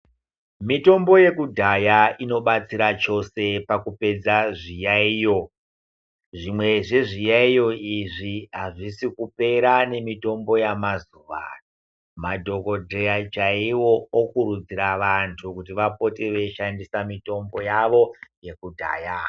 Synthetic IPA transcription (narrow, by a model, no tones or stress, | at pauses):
mito̞mbo̞je̞kudʱajaino̞ɓat͡siɾat͡ʃo̞se̞pakupe̞d͡zaʐijaiːjo̞ | ʐimwe̞ʐe̞ʐijaijo̞iʐiɦaʐisikupe̞ɾane̞mito̞mbo̞jamazuʋa̰ | madʱo̞ko̞dʱejat͡ʃaiwo̞ːkuɾud͡ziɾaʋantʰukutiʋapo̞tiʋe̞ʃandisamito̞mbo̞jaʋo̞je̞kudʱa̰ːja